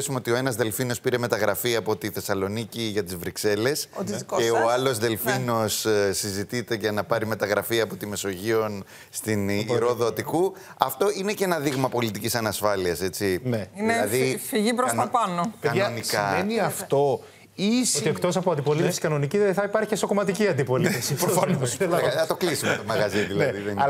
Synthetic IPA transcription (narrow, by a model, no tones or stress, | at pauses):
sumeot̪io̞e̞nɐzðe̞lfino̞spiɾe̞me̞t̪ɐɣɾɐfiɐːpo̞t̪iθe̞sɐlo̞niciʝɐt̪izvɾikse̞le̞sot̪izkoeoɐlo̞zðe̞lfino̞ssːizit̪it̪e̞ʝɐnɐpɐɾime̞t̪ɐɣɾɐfiɐːpo̞t̪ime̞so̞ʝio̞n | st̪iniɾoðot̪iku | ɐft̪o̞ine̞cenɐðiɣmɐpo̞lit̪icisɐnɐsfɐliɐse̞t͡sineineðifiʝipɾotɐpɐnokɐonikɐeniɐft̪o̞ | isoiekt̪o̞sɐpoɐnd̪ipo̞liefsikɐno̞niciðeθɐipɐɾçiesokomɐt̪iciɐnd̪ipo̞liefsiɾoɐnoɐɐt̪o̞klisimet̪omɐɣɐziðilɐðiðen